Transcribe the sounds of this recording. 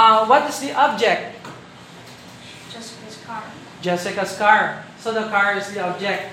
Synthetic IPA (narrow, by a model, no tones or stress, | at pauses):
wʌt̪ɪsd̪iʔɔb̚d͡ʒɛk̚t̪̚ | d͡ʒsʰ | d͡ʒɛsɪkaskaɹsod̪əkaɹɪsd̪iɔb̚d͡ʒɛk̚t̪̚